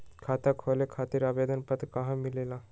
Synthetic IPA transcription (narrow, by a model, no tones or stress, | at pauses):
kʰat̪akʰolekʰat̪iːɾabed̪ənpət̪kaɦãmilela